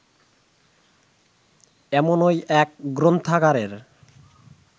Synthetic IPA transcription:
ɛmonojɛk̚ɡɾont̪ʰakaɾeɾ

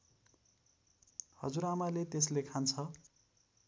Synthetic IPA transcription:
hʌd͡zuɾamalet̪eslekʰant͡sʰʌ

